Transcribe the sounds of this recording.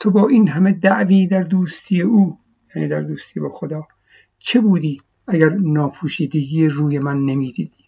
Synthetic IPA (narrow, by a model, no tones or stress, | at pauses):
t̪ʰobɒːʔiːnɦæme̞d̪æʔviːd̪æɾd̪uːst̪ʰiːjeʔuː | jæːnḭːd̪æɾd̪uːst̪ʰiːbɒːxod̪ɒː | t͡ʃʰe̞buːd̪iː | æɡæɾnɒːpʰuːʃiːd̪eɡiːeruːjemænːemiːd̪iːd̪̥iː